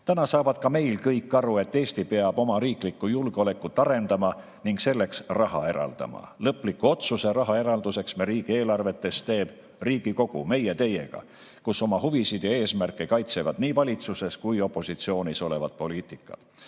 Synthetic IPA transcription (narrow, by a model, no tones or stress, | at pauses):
t̪ænɑsɑːvɑd̪̥̚kɑme̞jlkɤjkːˑɑɾue̞t̪ːe̞ːsʲt̪ipe̞ɑb̥o̞mɑɾiːklikːˑujulɡ̥eo̞le̞kːut̪ːˑɑɾe̞nd̪ɑmɑ | niŋkse̞lːe̞ksrɑɦɑ̰e̞ɾɑ̰ld̪̥ɑ̰mɑ̰lɤpˑlikːˑuo̞t̪suse̞ɾɑɦɑe̞ɾɑld̪use̞ksmeɾiːɡ̥ie̞ːlɑrve̞t̪ːˑe̞st̪e̞ːb̥ | riːɡ̥iko̞ɡ̥ṵme̞jet̪e̞je̞̰ɡ̥ɑ̰ | kuso̞mɑɦuvisid̪̥jɑe̞ːsmærkːˑekɑjt̪se̞vɑd̪̥niːvɑlʲit̪suse̞skujo̞pˑːo̞sit̪sio̞ːniso̞le̞vɑ̰d̪̥̚po̞liːt̪ˑikˑːɑ̰d̪̥